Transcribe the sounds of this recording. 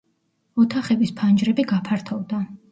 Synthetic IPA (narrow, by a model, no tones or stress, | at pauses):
ɔt̪ʰaχɛbispʰand͡ʒɾɛbiɡapʰaɾt̪ʰɔvd̪a